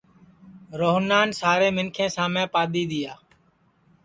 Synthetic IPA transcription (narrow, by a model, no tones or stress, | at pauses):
ɾoːɦnaːnsaːɾeːmɪnkʰẽːsãːmẽːpaːd̪iːɗ̪ɪjaː